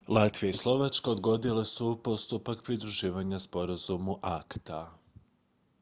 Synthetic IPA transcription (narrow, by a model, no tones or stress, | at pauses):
lˠat̪ʋijaislˠo̞ʋat͡ʃkaod̪ɡo̞d̪ilesupo̞st̪upakpɾid̪ɾuʒiːʋaɲaspo̞ɾazumuʔakt̪a